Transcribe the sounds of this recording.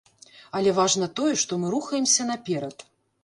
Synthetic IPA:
ɐlʲɛvaʐnɐt̪ɔjɛʂt̪ɔmɨɾuxɐjɛmsʲɐnapʲɛɾɐt̪

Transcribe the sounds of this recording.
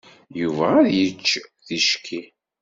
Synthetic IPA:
juvæəðjət͡ʃːðiʃkʰːi

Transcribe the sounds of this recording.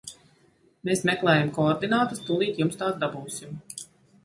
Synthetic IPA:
meːsmɛklˠɛːjamkɔɔɾd̪inaːt̪ust̪ulˠiːt̪jumst̪aːd̪abuːsim

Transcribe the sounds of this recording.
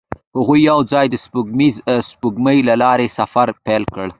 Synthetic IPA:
hʊɣujːawzɑjd̪əspuɡmizspuɡməjlalɑɾesafaɾpɛlkəɽ

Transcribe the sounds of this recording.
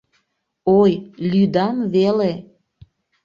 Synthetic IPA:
ojlyd̪ɑmβele

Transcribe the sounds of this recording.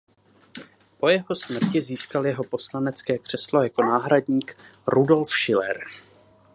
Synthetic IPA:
po̞jɛɦo̞smr̩cɪziːskaljɛɦo̞po̞slanɛt͡skɛːkr̝̥ɛslo̞jako̞naːɦɾadɲiːkɾudo̞lfʃɪlɛ̰ɾ

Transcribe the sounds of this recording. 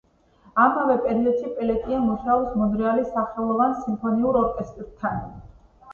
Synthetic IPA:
amavɛpʼɛɾilɛt̪ʃipʼɛlɛt̪ʼiamɔʃaɔpsmɔd̪ɾɛalisaχɛlˠɔvansimpʰɔniuɾɔɾkʼɛst̪ʼɾt̪ʰan

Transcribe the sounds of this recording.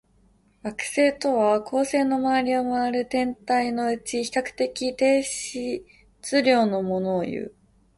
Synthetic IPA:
ɡ̥akɯ̟̥se̞ːt̪o̞βakʰo̞ːse̞ːno̞maβaɾʲio̞maaɾɯ̟t̪ẽ̞nt̪aino̞ɯ̟t͡ɕiçi̥kakɯ̟̥t̪e̞kʲit̪e̞ːɕi | t͡sɨɾʲo̞ːno̞mo̞no̞ːjɯ̰ː

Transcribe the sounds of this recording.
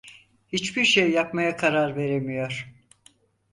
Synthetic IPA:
hit͡ʃbiɾʃejːapmajakʰaɾaɾve̞ɾemijo̞ɾ̥

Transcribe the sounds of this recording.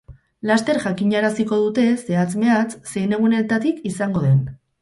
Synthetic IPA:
last̪e̞ɾʝakiɲaɾasiko̞ð̞ut̪e̞se̞at͡sme̞at͡sse̞jne̞ɣ̞une̞lt̪at̪ikisaŋɡo̞ð̞e̞n

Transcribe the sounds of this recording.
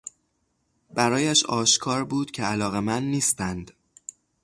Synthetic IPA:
bæɾɒːjæʃɒːʃkʰɒːɾbuːd̪̥cʰe̞ælɒːɣe̞mænːiːst̪ænd̪̥

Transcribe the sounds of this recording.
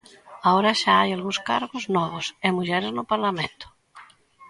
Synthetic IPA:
aoɾaʃaajalɣũskaɾɣoznɔβosemuʎɛɾeznopaɾlamẽnt̪o̥

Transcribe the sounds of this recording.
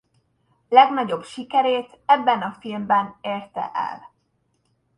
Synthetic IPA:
lɛɡnɒɟo̞bʃikɛɾeːt̪ɛbːɛnɒfilmbɛneːrt̪ɛ̰ʔɛ̰l

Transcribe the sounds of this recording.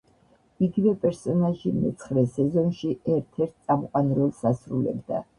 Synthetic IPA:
iɡivɛpʼɛɾsɔnaʒimɛ̰t̪sʰχɾɛsɛzɔnʃiɛɾt̪ʰɛɾt̪̚ʰsʼamqʼwanɾɛlˠsasɾulɛ̰bd̪a̰

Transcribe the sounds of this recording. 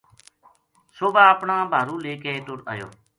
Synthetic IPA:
soːbaːəpɳãːbʱaːɾuːleːkeet̪ʊɾə̰jo̰ː

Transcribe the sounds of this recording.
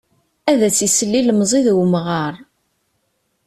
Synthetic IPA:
æðæt͡sːisəlːiləmzˤiðwmʁɑɾˤ

